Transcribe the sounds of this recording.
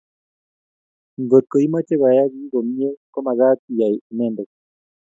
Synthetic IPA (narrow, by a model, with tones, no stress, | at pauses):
ŋɡo˨t̚ko˨i˦ma˦t͡ʃe˦βa˨ja˦ɣi˦ɡo˨mi˦e˦kɔ˦ma˨ɣa˦ti˨ja˨nɛ˦˨ndɛ˨k